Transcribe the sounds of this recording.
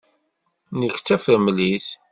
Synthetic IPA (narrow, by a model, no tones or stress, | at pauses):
nəçt͡sːæfəɾmliθ